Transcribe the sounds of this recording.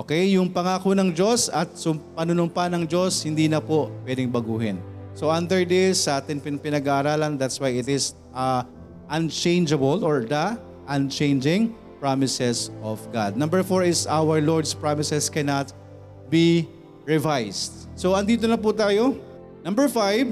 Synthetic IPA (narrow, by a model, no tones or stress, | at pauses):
ʔʔoːkɛjjʊŋpɐŋaːkonɐŋd͡ʒo̞sɐt̪̚sʊmpɐnʊnʊmpanɐŋd͡ʒo̞shɪnd̪iːnɐpopwɛd̪ɪŋbɐɡuːɦɪ̰nsoʔɐnd̪ɛɹd̪ɪjsɐʔaːt̪ɪnpɪpɪnɐɡaʔːɾaːlɐnd̪at̪swajɪt̪ɪs | ʔɐ | ʔɐnt͡ʃẽjnd͡ʒɐbolɔɹd̪ɐ | ʔɐnt͡ʃẽjnd͡ʒɪ̃ŋ | pɹamɪsɛsʔɔvɡa̰d̪̚nɐ̃mbɛɹfoɹɪsawɐɹloɹd̪spɹamɪsɛskɛnɐt̪̚ | bi | ɹɪvajst̪̚ | soɐnd̪iːt̪̬onɐp̬ut̪aːjo̞ | nɐ̃mbɛɹfajv